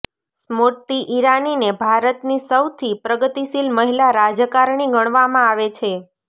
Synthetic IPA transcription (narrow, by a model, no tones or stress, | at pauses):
smoʈ̪ːiʔiɾaninebʱaɾət̪nisəwt̪ʰipɾəɡət̪isilməɦilaɾad͡ʒəkaɾɳiɡəɳ̃ʋamãaʋet͡ʃʰe